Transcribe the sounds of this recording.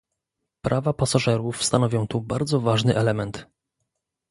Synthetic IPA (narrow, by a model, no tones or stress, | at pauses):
pɾʔavapasaʐɛɾufst̪anɔvʲjɔ̃w̃t̪ubaɾd̪zɔvaʐnɘʔɛlɛmɛnt̪